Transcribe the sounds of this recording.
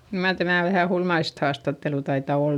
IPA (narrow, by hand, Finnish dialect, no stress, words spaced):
kyl mɑr tæmæˑ ʋæhæ hulmɑist hɑːstɑtːelu tɑitɑ ol